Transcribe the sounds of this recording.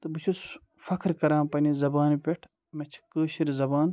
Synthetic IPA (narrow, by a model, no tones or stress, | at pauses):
t̪ɨbɨt͡ʃʰus | fɐkʰɾkɐɾãːpɐnizɐbaːnpʲeʈʰ | mɐt͡ʃʰkəːɕiɾzɐbaːn